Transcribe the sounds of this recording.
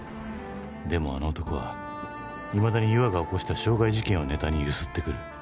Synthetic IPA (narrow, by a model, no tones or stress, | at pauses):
d̪e̞mo̞a̰no̞ːt̪o̞ko̞βa̰ | imad̪aɲ̟ijɯ̟βaɡao̞ko̞ɕi̥t̪aɕo̞ːɡaiʑikẽ̞ɰ̃o̞ne̞t̪aɲ̟iɯsɨ̥t̪ːe̞kɯ̟ɾɯ̟